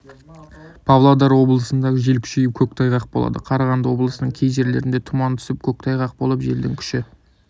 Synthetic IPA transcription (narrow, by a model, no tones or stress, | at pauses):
pʰɑvlˠad̪ɑɾwo̞blˠəsənd̪ɑʁəʒelkʲʰʏ̥ʃejɪp̚kʲʰɵk̚t̪ʰɑjʁɑq̚bo̞lˠɑ̰d̪əqʰɑɾɑʁɑnd̪əwo̞blˠəsənəɴkʲʰe̞jʒe̞ɾle̞ɾɪnd̪e̞t̪ʰʊmɑnt̪ʰʏ̥sɪp̚kʲʰɵk̚t̪ʰɑjʁɑq̚bo̞lˠəpʒe̞ld̪ɪŋkʲʰʏ̥ʃɪ